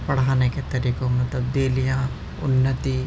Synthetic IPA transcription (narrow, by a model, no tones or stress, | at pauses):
pɐɽ̤aːneket̪ɐɾiːkomɐt̪ləbd̪eːlijã | ʊ̰nːət̪iː